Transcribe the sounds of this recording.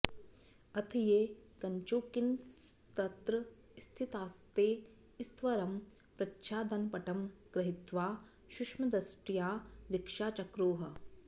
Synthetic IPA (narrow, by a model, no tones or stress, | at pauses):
ɐt̪ʰijeːkɐɲt͡ʃoːkinst̪ɐt̪ɾɐ | st̪ʰit̪aːst̪eː | ist̪ʋɐɾɐm | pɾɐtʃaːd̪ɐnpɐʈɐmkɾɐɦit̪ʋaː | ʃuʂmɐd̪ɐsʈijaːʋikʂaːt͡ʃɐkɾoːɦɐ̆